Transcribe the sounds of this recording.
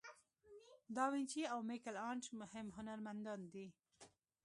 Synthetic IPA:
d̪ɑwint͡ʃiawmikalɑɳt͡ʃmʊhɪmɦʊnaɾmand̪ɑnd̪i

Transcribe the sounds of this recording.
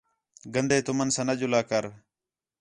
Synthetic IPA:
ɡənd̪eːt̪ʊmənsɐnəd͡ʒʊlaːkəɾ

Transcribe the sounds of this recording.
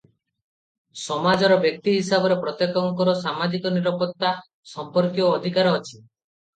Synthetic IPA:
sɔmad͡ʒɔɾɔbjɔk̚t̪iɦisabɔɾepɾɔt̪ekɔŋkɔɾɔsamad͡ʒikɔniɾɔpɔt̪ːa | sɔmpɔɾkiɔːd̪ʱikaɾɔːt͡ʃʰi̥

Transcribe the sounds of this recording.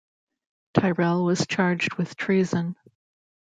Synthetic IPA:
tʰaɪɹɛlˠwʌz̥t͡ʃʰɑɹd͡ʒd̚wɨð̥tʰɹ̥izɨ̃n

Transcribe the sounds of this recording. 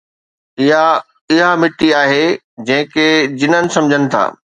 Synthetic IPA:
ɪɦa | ɪɦamɪʈiaːɦe | d͡ʑɐ̃ɦɪ̃ked͡ʑɪnənɪ̆sɐ̃md͡ʑʱənɪ̆t̪ʰa̰ː

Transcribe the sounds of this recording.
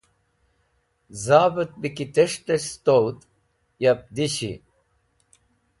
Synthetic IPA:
zaːbɐt̪̚bikit̪eʂʈ̪ɐɕst̪owt̪ | jɐp̚d̪iɕḭ

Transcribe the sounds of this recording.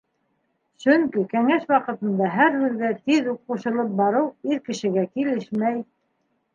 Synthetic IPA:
ʃɵŋkikæŋæʃwɑqɤ̆t̪ɤ̆nd̪ɑɦæɾhʉðɡæt̪iðup̚quʃɤ̆lˠɤp̚bɑɾɤwiɾkɘ̆ʃɘ̆ɡækilɘʃmæj

